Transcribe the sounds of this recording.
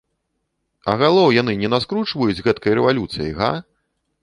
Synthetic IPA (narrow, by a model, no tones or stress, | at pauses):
ɐ̰ɣalˠɔwjanɨnʲɛnaskɾut͡ʂvɐjud͡zʲɣɛt̪kɐjɾɛvalʲut̪sɨj̰jɣa̰